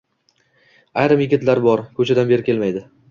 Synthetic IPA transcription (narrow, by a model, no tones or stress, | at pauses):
ajɾɪmjɪɡʲɪt̪laɾbɒɾkʰɵt͡ʃʰad̪anbe̞ɾɪkʰʲe̞lmajd̪ɪ